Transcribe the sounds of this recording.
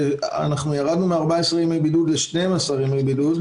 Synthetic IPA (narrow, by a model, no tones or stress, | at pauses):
a̰naχnujaʁad̪numeaʁbaesʁimebidudleʃnemasaʁimebidut